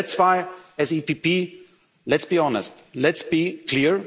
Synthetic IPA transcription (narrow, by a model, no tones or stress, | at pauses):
tswaɪɛzipipi | lɛtsbiɔnəstlɛtsb̥ikʰliəɹ